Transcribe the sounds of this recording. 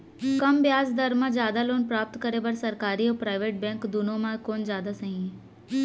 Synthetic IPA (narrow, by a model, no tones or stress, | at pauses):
kɐmbjaːsd̪ɐɾmãd͡ʒjaːd̪aloːnpɾaːp̚t̪kəɾebɐɾsɐɾkaːɾioɔːpɾaːɪʋeːʈ̚bɛ̃ːŋkd̪unõmãkoːnd͡ʒjaːd̪asɐɦĩ